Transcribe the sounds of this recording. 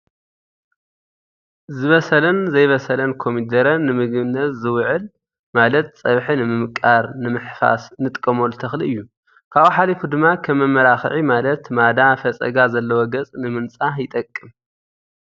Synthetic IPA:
zɨβɐsɐlɐnzɐjβɐsɐlɐnkʰo̞mid̪ɐɾɐnːɨmɨɡβɨnːɐt̪zɨwʕɨl | malɐt̪̚sʼɐβħinɨmɨmɨkʼaɾnɨmɨħfa̰snɨt̪ʼkʼːɐmolɨt̪ʰɐxliʔɨjːu | kʰaβħalifud̪ɨmːakʰɐmːɐmːɐɾaxʕimalɐt̪mad̪afɐt͡sʼɐ̰ɡazɐlːɐwoɡɐt͡sʼnɨmɨnt͡sʼajɪt̪ʼɐkʼːɨm

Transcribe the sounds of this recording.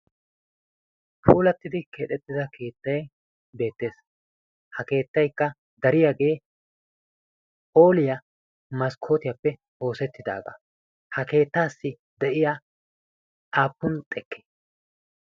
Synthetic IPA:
pʰuːlɐt̪ːɪd̪ɪkeːt̪ʼɛt̪ːɪzɐkʰe̞ːt̪ːɐj | be̞ːt̪ːe̞ːs | hɐke̞ːt̪ːɐjkːɐ | d̪ɐɾɪjaɡe̞ː | po̞ːlɪjɐ | mɐskʰo̞ːt̪ɪjɐpːɛ | ho̞ːsɛt̪ːɪd̪a̰ːɡɐ̰ | hɐke̞ːt̪ːaːsːɪ | d̪ɛʔɪjaː | ʔaːpːʊnt̪ʼɛkʰːe̥

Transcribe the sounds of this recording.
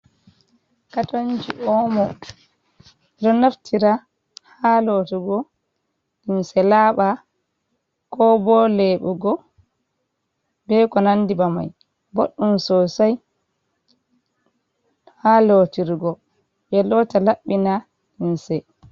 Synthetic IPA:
katond͡ʒiʔɔmɔ | ɛɗɔnaftʰiɾa | halotiɡɔ | ɗinsɛlaɓa | kɔbɔlɛɓuɡɔ | bɛkɔnandibama̰j | bo̰ɗːumsɔsaj | halotiɾɡɔ | bɛlɔtalaɓːina | insɛ

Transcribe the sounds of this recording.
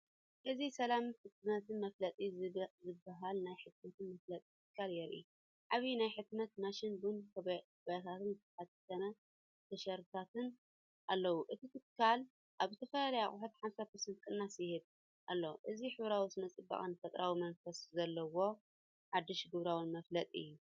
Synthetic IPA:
ʔɨzisɐlamħɨt̪̚nɐt̪ʰɨnmɐflɐt͡s̪ʼizzɨbːaɦalnajħɨt̪̚mɐt̪ʰɨnmɐflɐt͡s̪ʼit̪ʰɨkʰːaljɛɾʔḭ | ʕaβinajħɨt̪nɐt̪naʃɪnbɨnkʰkʰβajat̪ʰat̪ɨnzɨt̪ʰɐħat̪t̪ʰɐnɐ | t̪ʰɐʃɐɾɨt̪ʰat̪ʰɨn | ʔalːɐwuʔɨt̪ʰit̪ʰɨkʰːal | ʔaβzɨt̪ʰɐfɐlalɐjaχʼʊħut̪ħamsapɐɾsɐnt̪kʼɨnːashɨd̚ | ʔa̰lːo̞ʔɨziħɨβɾawizɨmɐt͡sʼɨbːa̰χʼɨnɨfɐt̪ʼɾawimɐnfɐszɐlːɐwo̞ | ħad̪ːɨʃɡɨβɾawɨnmɐflɐt̪ʼiɨ̰jːu

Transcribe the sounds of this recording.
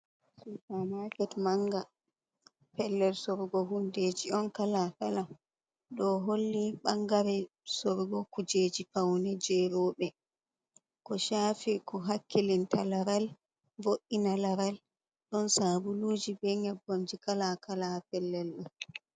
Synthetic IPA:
sutamakɛtmaŋɡa | pɛlːɛlsɔɾɡɔɦunded͡ʒiɔnkalakalam | ɗɔɦolːiɓaŋɡaɾɛ | sɔɾɡɔkud͡ʒeːd͡ʒifawnɛd͡ʒɛːɾɔːɓɛ | kɔʃaːfikɔɦakʰːilintalaɾal | voʔːinalaɾal | ɗɔnsaːbuluːd͡ʒibɛɲabomd͡ʒikalakalapɛlːɛlɗɔn

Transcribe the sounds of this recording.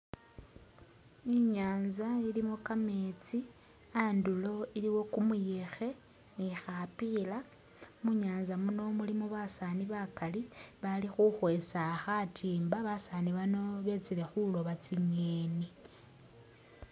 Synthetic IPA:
iɲaːnzailimokame̞t͡si | andulo̞iliwo̞kumuje̞xe̞ | nixapila | muɲaːnzamuno̞mulimoβasaniβakaliβalixuxwesaxatʰiːmbaβasaniβano̞βe̞t͡sile̞xulo̞βat͡siɲeni

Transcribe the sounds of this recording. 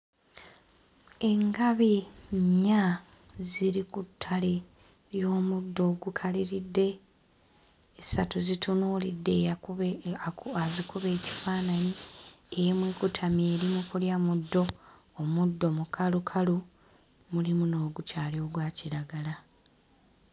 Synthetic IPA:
e̞ŋɡaβiɲːa | ziɾikutʰːale | ɾjo̞ːmudːo̞ːɡukʰaliɾidːe̞ | satuzitʰunuːlidːe̞ | azikuβe̞ːci̥faːnani | emwekutʰamje̞ːɾimukuljamudːo̞ː | mudːo̞mukʰalukʰalu | mulimuno̞ːɡucaːljo̞ɡwaːciɾaɡala

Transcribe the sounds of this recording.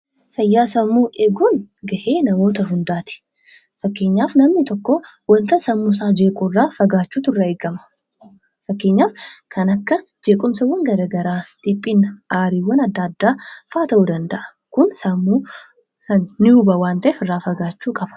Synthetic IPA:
fɐjːaːsɐmːuːʔɛɡuːnɡɐʔeːnɐmo̞ːt̪ɐɦʊnd̪aːt̪ɪ̥ | fɐkːeːɲːaːfnɐmnɪt̪ɔkːɔ | wɐnt̪ɐsɐmːʊs̬aːd͡ʒeːkʼʊrːaːfɐɡaːt͡ʃːuːt̪ʊrːɐeːɡɐmɐ̥ | fɐkːeːɲːaːfkʰɐnɐkːɐd͡ʒe̞ːkʼʊmsɐwːɐŋɡɐɾɐːɡɐɾaːd̪̥ɪpʼːiːnʔaːɾiːwɐnɐd̪ːɐd̪ːaːfaːt̪ɐʔuːd̪ɐnd̪ɐʔɐ̥ | kʊnsɐmːuː | sɐnːɪʊbɐwaːnt̪ɐʔɛfɪrːaːfɐɡaːt͡ʃːuːkʼɐb̥ɐ̥

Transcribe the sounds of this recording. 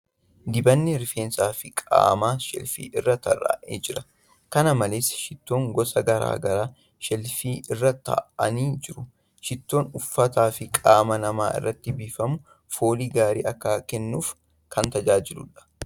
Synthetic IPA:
d̪ɪbɐnːɪɾfeːnsaːfɪkʼa̰ːmaːʃɛ̰lfḭːʔɪrːɐt̪ɐ̰ra̰ːʔḛːd͡ʒɪɾɐ | kɐnɐmɐleːsʃɪt̪ːo̞ːŋɡɔsɐɡɐɾa̰ːɡɐɾaː | ʃɛlfiːɪrːɐt̪ɐ̰ʔɐniːd͡ʒɪɾʊ | ʃɪt̪ːo̞ːnʊfːɐt̪aːfɪkʼaːmɐnɐmaːɪ̰rːɐt̪ːɪbiːfɐmʊ | fo̞ːliːɡaːɾḭːɐkːaːkɛnːuːf | kɐnt̪ɐd͡ʒaːd͡ʒɪlʊ̰ᶑɐ̥

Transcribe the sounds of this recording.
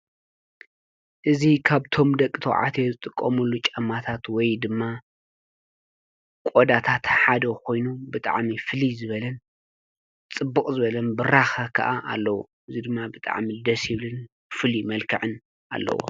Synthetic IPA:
ʔɨzikʰaβt̪ʰo̞md̪ɐkʼːɨt̪ʰo̰ʕa̰t̪ʰezɨt̪ʼɨkʼːɐmulːut͡ʃʼɐmːat̪ʰat̪wɔjd̪ɨmːa | kʷʼod̪at̪ʰat̪ħad̪ɐkʰo̞jnubɨt̪ʼa̰ʕmifɨlizɨβɐlɐn | t͡sʼɨbːɨkʼzɨβɐlɐnbɨɾaxɐkʰɐʔaʔalːɐwo̰ʔɨzid̪ɨmːabɨt̪ʼa̰ʕmid̪ɐsjɪβlɨn | fɨlimɐlkʰɨʕɨn | a̰lːɐ̰wo̰

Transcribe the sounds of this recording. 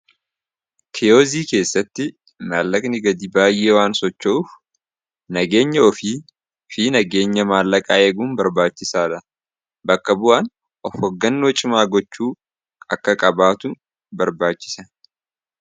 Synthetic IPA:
kʰɛjoːziːke̞ːsːɐt̪ːɪ | maːlːɐkʼnɪɡɐd̪iːbaːjːʔeːwaːnsɔt͡ʃːɔuf | nɐɡe̞ːɲːɐɔfiː | fiːnɐɡe̞ːɲːɐmaːlːɐkʼaːeːɡuːnbɐɾbaːt͡ʃːɪsaːd̪ɐ | bɐkːɐbʊʔaːn | ʔɔfhɔɡːɐnːwɔt͡ʃʼɪmaːɡɔt͡ʃːuː | ɐkːɐkʼɐbaːt̪ʊ | bɐɾbaːt͡ʃːɪ̥sɐ

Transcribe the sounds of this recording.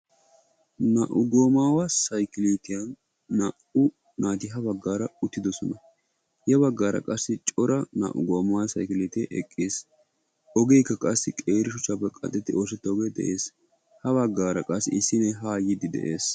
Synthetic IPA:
naːʔʊɡoːmaːwɐsɐjkɪliːt̪ɪjɐnː | aːʔʊ | naːt̪ɪɦɐbɐɡːaːɾɐʊt̪ːɪd̪ɔsɔnɐ | jɛbɐɡːaːɾɐ̰kʼɐsːɪt͡ʃʼɔɾɐna̰ːʔʊ̰ɡoːmawɐsɐjkɪliːt̪eʔɛkʼːeːs | ɔɡejkːɐkʼɐsːɪkʼe̞ːɾɪʃʊt͡ʃːapːɛkʼɐ̰t̪ʼːɛt̪ːɪʔo̞ːs̬ɛt̪ːɐɡed̪ɛ̰ʔe̞ːs | hɐβɐɡːaːɾɐkʼɐsːɪ̰ɪsːɪnɛɦaːjɪd̪ɪd̪ɛ̰ʔe̞ːs

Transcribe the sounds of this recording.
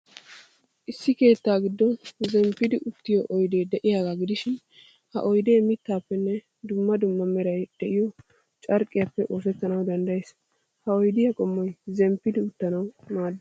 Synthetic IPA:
ʔɪsːɪke̞ːt̪ːaːɡɪd̪ːɔnzɛmpːɪd̪ɪʔʊt̪ːɪjɔʔɔjd̪e̞ːd̪ɛʔɪjaːɡaɡɪd̪ɪʃɪn | hɐ̰ʔɔjd̪e̞ːmɪt̪ːaːpːɛnːɛ | d̪ʊmːɐd̪ʊmːɐmɛɾɐjd̪̥ɛʔɪjɔ | t͡ʃʼɐɾkʼːɪjapːɛʔo̞ːsɛt̪ːɐnɐwd̪ɐnd̪ɐjes | hɐɔjd̪ɪjɐkʼɔmːɔjzɛmpːɪd̪ɪʊt̪ːɐnɐwmaːd̪ː

